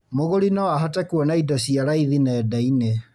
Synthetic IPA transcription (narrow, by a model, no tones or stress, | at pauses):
moɣoɾinɔaɦatɛkwɔnaidɔɕiaɾaiðinɛːdaine